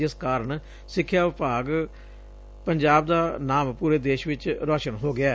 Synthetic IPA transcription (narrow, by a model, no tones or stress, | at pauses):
ɪskaːɾəɳ | sɪkʰːjaːʋɪpaːɡ | pəɲd͡ʒaːb̚d̪aːnaːmpuːɾeːd̪eːʃʋɪt͡ʃɾɔːʃənɦoːɡɪaː